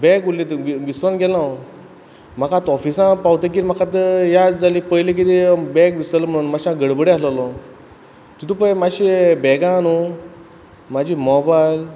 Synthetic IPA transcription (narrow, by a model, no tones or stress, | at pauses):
bɛkulit̪ʋiʋisɾənɡɛlã | m̤akãt̪ɔfisãpawt̪ə̃k̬iɾm̤akãt̪jad͡zalipəjlek̬it̪ebɛ̃kʋisələm̤əɽ̃unmaɕãɡəɽbəɽeaslalɔ | t̪ut̪ũpə̃maɕibɛɡãnu | mad͡ʑiːmɔbajl